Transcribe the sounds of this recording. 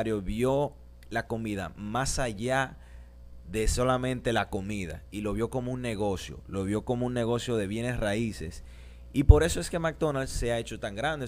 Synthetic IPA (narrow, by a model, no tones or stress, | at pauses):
ɾjoβjo̞ | lako̞miða̰masaʝa | ðe̞so̞lamẽ̞nt̪e̞lako̞miða̰ilo̞βjo̞ko̞mounːe̞ɣo̞sjo̞̰lo̞βjo̞ko̞mounːe̞ɣ̞o̞sjo̞ðe̞βje̞ne̞sraise̞s | ipo̞ɾe̞so̞e̞ske̞mak̚d̪o̞nald̪seae̞t͡ʃo̞t̪aŋɡɾand̪e